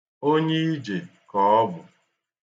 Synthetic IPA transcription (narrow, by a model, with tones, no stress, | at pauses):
o˦ɲe˦i˦d͡ʒe˨kɔː˨ɔ˦bʊ˨